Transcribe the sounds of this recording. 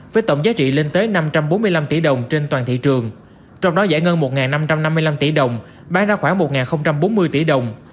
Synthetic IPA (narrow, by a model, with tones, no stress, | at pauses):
vəː˨˦jt̪ə̰˧˨wŋ͡mzaː˨˦˥t͡ɕḭ˧˨le˧nt̪əː˨˦na˧mt͡ɕa˧mɓo˨˦nm˧əjla˧mt̪ḭ˧˩ɗə˨˩wŋ͡mt͡ɕe˧nt̪waː˨˩nt̪ḭ˧˨t͡ɕɨ˨˩əŋ | t͡ɕɔ˧wŋ͡mɗɔ˨˦zɛ̰˧˥ŋə˧nmo˨˩t̚ŋaː˨˩nːa˧mt͡ɕa˧mna˧mːɨ˧əjla˧mt̪i˧˩ɗə˨˩wŋ͡m | ɓaː˧ŋzaː˧xwaː˧˩ŋmo˨˩t̚ŋaː˨˩nxə˧wŋ͡mt͡ɕa˧mɓo˨˦nmɨ˧əjt̪i˧˩ɗə˨˩wŋ͡m